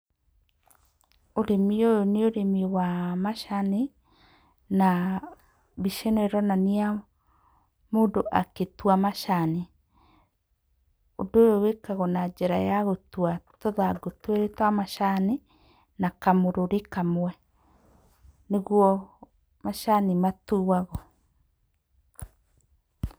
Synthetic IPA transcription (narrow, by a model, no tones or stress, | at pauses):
oɾemiojoneoɾemiwamaʃane | na | biʃenoeɾɔnania | moːndoʔa̰ketwamaʃane | odojowekaɣɔnad͡ʒɛɾajaɣotwatoðaɡotweɾetwamaʃane | nakamoɾoɾekamwɛ | neɣwɔ | maʃanimatuwaɣɔ